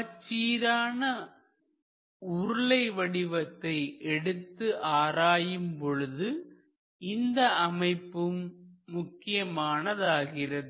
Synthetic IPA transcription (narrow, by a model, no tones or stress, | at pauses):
ɐt͡ʃːiːɾaːnɐ | ʊɾʊɭɐɪʋɐɽɪʋɐt̪ːɐɪʔɛɽɯt̪ːɯʔaːɾaːjɯmpɔɻɯðɯ | ɪnd̪ɐɐmɐɪpːɯmːʊkːɪjɐmaːnɐðaːɣɪrɐðɯ